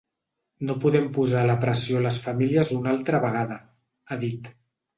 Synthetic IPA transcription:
nopuðɛmpuzaləpɾəsioləsfəmiliəzunalˠt̪ɾəβəɣ̞aðə | aðit̪

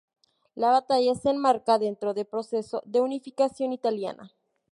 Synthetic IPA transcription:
laβat̪aʝase̞ːnmaɾkaðe̞nt̪ɾo̞ðe̞lpɾo̞se̞so̞̰ðe̞unifikasjo̞nit̪alja̰nʔa̰

